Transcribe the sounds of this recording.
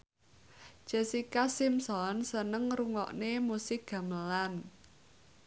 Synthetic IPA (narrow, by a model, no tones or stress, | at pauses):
ʒ̥e̤sikasimsɔnsənəŋruŋɔ̰ʔnemusɪk̚ɡ̥ä̤məlan